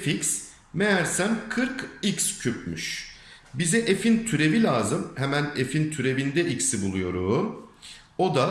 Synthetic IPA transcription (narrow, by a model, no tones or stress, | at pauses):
fics | mejæɾsænkʰɯɾkicscʰyp̚myʃ | bizɛʔefint̪ʰyɾe̞vilʲaːzɯmhɛmæne̞fint̪ʰyɾe̞vind̪ɛʔicsibulˠujo̞ɾuː | o̞d̪a